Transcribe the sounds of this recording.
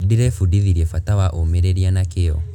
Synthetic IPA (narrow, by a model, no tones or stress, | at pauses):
diɾɛfudiðiɾiɛfatawaʔomeɾeɾianakejɔ̰